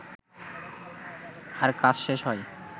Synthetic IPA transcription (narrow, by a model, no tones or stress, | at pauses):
aɾkat͡ɕʃeʃɦɔj